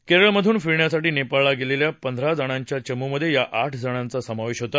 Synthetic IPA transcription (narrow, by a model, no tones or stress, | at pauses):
keɾəɭəməd̪ʱuːnfiɾɳjasaʈiːnepaɭaɡeleljapənd̪ʱɾad͡zəɽ̃aɲt͡ɕjat͡ɕəmːuməd̪ʱːjejaʔaʈʰd͡zʱəɽ̃ant͡sasəmaʋeɕɦot̪a